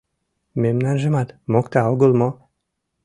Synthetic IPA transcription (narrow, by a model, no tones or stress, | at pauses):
memnanʒemat̪mɔkt̪aoɡolˠmɔ